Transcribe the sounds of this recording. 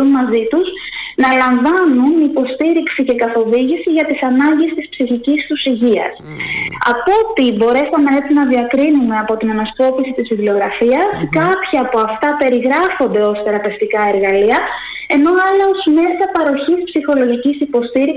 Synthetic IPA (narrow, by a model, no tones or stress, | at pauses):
unmɐzit̪uz | nɐlɐɱvɐnunipo̞st̪iɾiksice̞kɐθo̞viʝisiʝɐt̪isɐnɐɲɟe̞st̪ispsiçicist̪usiʝiɐ̰s | ɐ̰po̞t̪ibo̞ɾe̞sɐnɐet͡sinɐðiɐkɾinume̞ɐpo̞t̪inɐnɐsko̞pisit̪isfivlio̞ɣɾɐfiɐskɐpçɐːpo̞ɐft̪ɐpe̞ɾiɣɾɐfo̞nd̪e̞o̞sθe̞ɾɐpe̞ft̪ikɐe̞ɾɣɐliɐ | e̞no̞ɐlɐo̞zme̞sɐpɐɾo̞çispsixo̞lo̞ʝicisipo̞st̪iɾi